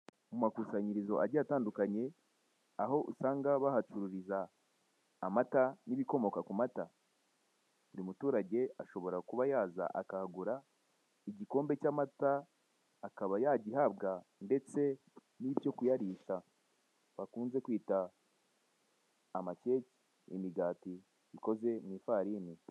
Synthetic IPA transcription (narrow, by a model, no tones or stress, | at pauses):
mumakuːsaɲiɾizo̞ʔaɾɟaːtaːndukaɲe̞ | aɦo̞ʔusaːŋɡaβahatuɾuɾizaː | mataniβiko̞mo̞kakumata | uɾimutuːɾaɟe̞aʃo̞βo̞ɾakuβajaːza̰ʔa̰kahaɡuɾa | iɟiko̞ːmbe̞caːmataː | kaβajaɟiɦabɡande̞t͡se̞ | nibjo̞kujaɾiʃa | βakuːnze̞kwiːta | mace̞ci̥ | imiɡaːti | iko̞ze̞niːfaɾiːni